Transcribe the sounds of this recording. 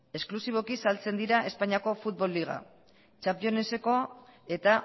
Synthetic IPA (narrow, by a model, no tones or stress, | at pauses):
e̞sklusiβ̞o̞kisalt͡se̞nd̪iɾaʔe̞spaɲiako̞fut̪̚βo̞lːiɣ̞a̰ | t͡ʃampio̞ne̞se̞ko̞e̞t̪a